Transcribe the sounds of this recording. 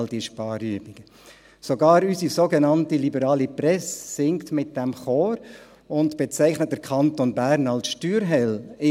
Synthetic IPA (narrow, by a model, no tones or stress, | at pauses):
ld̥iəʃpɑːɾyəbɪɡ̥ə | soɡɑːɾysisoɡenɑntilibəɾɑːliprɛsːɪŋktmɪt̚d̥ɛmχoːɾ | ʊntb̥ɛt͡sɛɪχnət̚d̥əɾkʰɑntonbæːɾnɑlsʃtyːɾɦɛlɪ